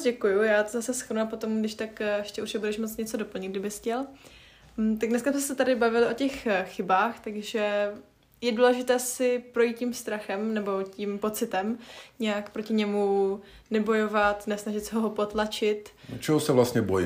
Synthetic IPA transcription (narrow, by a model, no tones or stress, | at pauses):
ɟɛkujujaːt̪ozasɛsxɾnuapot̪o̞mɡdɪʃt̪akɛʃcɛuʃjɛbudɛʃmot͡sɲɛt͡sodo̞pl̩ɲɪd̪ɡ̚dɪbɪscɛl̩ | t̪aɡdnɛskabsɛsɛt̪adɪbavɪlɪʔo̞cɛxxɪbaːxt̪aɡʒɛ | jɛduːlɛʒɪt̪ɛːsɪpɾo̞jit̪̚cimst̪ɾaxɛmnɛbo̞cimpo̞t͡sɪt̪ɛmɲɛjakpɾo̞cɪɲɛmunɛbo̞jovat̪nɛsnaʒɪt̪sɛɦoɦopo̞t̪lat͡ʃɪt̪t͡ʃɛɦosɛvlast̪ɲɛboj̰